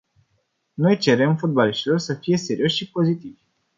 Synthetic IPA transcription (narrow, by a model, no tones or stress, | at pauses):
no̞jt͡ʃe̞ɾe̞mfut̪̚baliʃt̪ilo̞rsəfije̞se̞ɾio̞ʃʲʃipo̞zit̪ivʲ